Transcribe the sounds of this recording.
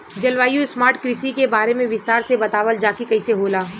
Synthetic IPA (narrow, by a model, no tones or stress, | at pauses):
d͡ʒɐlʋaːjusmaːɾʈkɾɪsikebaːɾemẽʋɪst̪aːɾsebɐt̪aːʋəld͡ʒaːkikɐɪseɦoːlaː